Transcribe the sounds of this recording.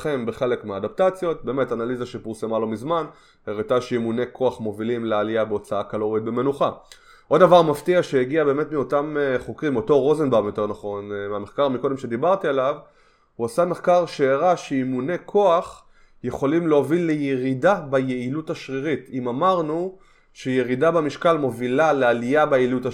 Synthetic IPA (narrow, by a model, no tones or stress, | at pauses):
χe̞mbeχe̞lekmeaːdap̚tat͡sjo̞t̚be̞ːme̞tanalizaʃepiʁsemalo̞mizman | eʁitaʃeimune̞kʰo̞aχmo̞vilimlealiabeo̞t͡saakalo̞ʁit̚be̞me̞nuχa | ʔo̞davaʁmaftiaʃeeɡiabe̞ːmetmiotameχokʁimo̞to̞ʁo̞zenbaʁmjo̞te̞ʁnaχo̞nmeame̞χkaʁmiko̞de̞mʃe̞d̪ibaʁtialav | huasame̞χkaʁʃeːʁaʃeimune̞kʰo̞aχ | je̞χo̞limleovilːejeʁidabajeilutaʃʁiʁitimamaʁnu | ʃejeʁidabamiʃkalmo̞vilalealijabejiluta